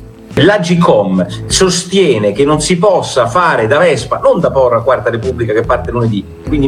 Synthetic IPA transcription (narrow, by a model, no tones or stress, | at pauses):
lad͡ʒikɔmsost̪jɛːnek̟enːonsipɔsːafaːɾed̪avɛspanond̪apɔrːakwart̪aɾepubːlikakepːart̪eluned̪i | ekwind̪i